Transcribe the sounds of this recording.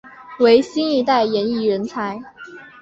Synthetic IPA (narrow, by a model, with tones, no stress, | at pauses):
we˧˥ɪɕi˥ni˧˥t̪a˥˩ɪjɛ˧˥ni˥˩ɻə˧˥nt͡sʰa˧˥ɪ